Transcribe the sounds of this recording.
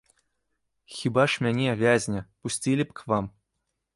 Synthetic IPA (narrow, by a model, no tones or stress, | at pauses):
xʲibɑʂmʲenʲevʲæzʲnʲɘ̆pusʲtʲilʲɘpʲkʋɑm